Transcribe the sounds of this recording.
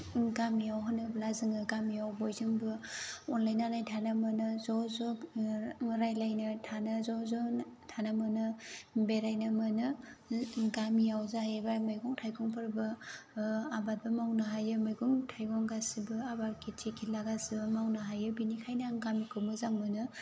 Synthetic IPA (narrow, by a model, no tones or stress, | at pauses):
ɡamiawɦanɯblazɯŋɯɡamiawbojzɯŋbɯɔnlajnanajtʰanamɯnɯzɔzɔ | ɾajlajnɯtʰanɯzɔzɔtʰanamɯnɯbeɾajnɯmɯnɯ | ɡamijawzahebamajɡɔŋtʰajɡʰɔŋpʰɯɾbɯ | abat̚bɐmawnaɦajɯmajɡɔŋtʰajɡʰɔŋɡasibɯabaɾkʰitʰikʰilaɡasibɐmawnaɦajɯbinikʰajnaŋɡamikʰɯmɯzaŋmɯnɯ